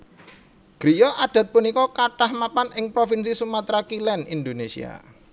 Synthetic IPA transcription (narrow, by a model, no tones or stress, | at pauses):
ɡ̥ɾijɔʔad̪̥a̤t̪̚punikɔkaʈahmapanɪŋpɾofinsisumat̪ɾakilɛnind̪onesḭa̰